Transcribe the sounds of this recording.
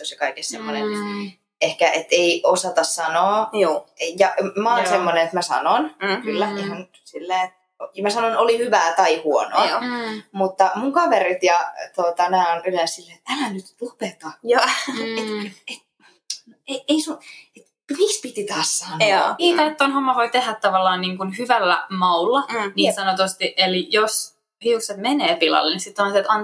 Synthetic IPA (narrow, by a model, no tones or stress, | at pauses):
t̪osjɑkɑikessemːonḛnet̪ | ehkæʔet̪ːeiʔosɑt̪ɑssɑnoːjjɑmæɑnsemːonenet̪mæsɑ̰nonkylːæihɑn | silːeːet̪ | mæsɑnonolihyʋæːt̪ɑihuonoɑmut̪ːɑmuŋkɑʋerit̪jɑt̪ot̪ɑmæːonylenssilːeːt̪ælænyt̪lupet̪ɑjɑːeet̪ | noeeisunet̪ | mikspit̪it̪ɑːssɑnoɑiːt̪ɑt̪t̪ːonhomːɑʋoit̪ehæt̪t̪ːɑʋɑlːɑːnniːŋkunhyʋælːæ̰mɑulːɑniːnsɑnot̪ust̪iʔelijos | hiukset̪meneːpilɑ̰lːinisit̪ːoɑnset̪ɑn